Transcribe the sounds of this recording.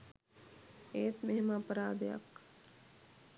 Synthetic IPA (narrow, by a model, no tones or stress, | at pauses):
eːt̪meɦemapəɾaːd̪ejɐ̰k